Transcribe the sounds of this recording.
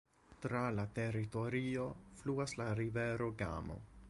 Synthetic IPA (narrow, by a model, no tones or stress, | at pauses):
tɾalate̞ɾito̞ɾio̞fluaslaɾive̞ɾo̞ɡa̰mo̞̰